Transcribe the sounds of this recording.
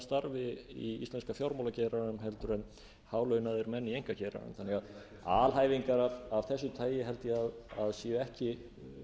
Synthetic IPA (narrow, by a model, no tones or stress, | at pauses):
st̪aɾvɪḭḭst̪lɛnskafjawɾmowlacɛːɾaʏmɦɛlt̪ʏɾɛn | haːwlœːɥnaðɪɾmɛnːiejŋkacɛːɾa̰ɾʏ̰mθanːɛɣað | aːlɦaːjviŋkaɾavavθɛsːʏt̪ʰaːjɪɦɛlt̪jɪaðaðsjɛɛhcɪ